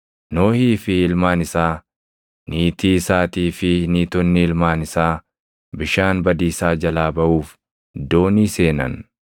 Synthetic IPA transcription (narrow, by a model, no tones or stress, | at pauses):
no̞ːhiːfɪɪlmaːnɪsaː | niːt̪iːsaːt̪iːfɪniːt̪ɔnːɪɪlmaːnɪsaː | bɪʃaːnbɐd̪iːsaːd͡ʒɐlaːbɐʔuːf | d̪o̞ːniːse̞ːnɐ̰n